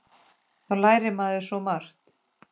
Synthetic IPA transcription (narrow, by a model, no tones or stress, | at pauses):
θawlaːjɾɪmaðɪsɔmar̥t̪